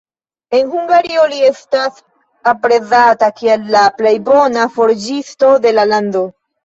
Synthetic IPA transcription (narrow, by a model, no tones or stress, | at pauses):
e̞nhuŋɡaɾio̞lie̞stas | apɾe̞zatakielːaple̞jbo̞nafo̞ɾd͡ʒisto̞de̞lalando̞